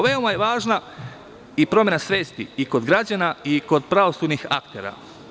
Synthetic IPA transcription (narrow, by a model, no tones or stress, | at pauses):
ʋe̞o̞majeʋaːʒna | ipɾo̞mʲje̞nasʋe̞ːst̪iiko̞d̪ɡɾad͡ʑanaiko̞d̪̚pɾaʋo̞sud̪nixa̰kt̪e̞ːɾa̰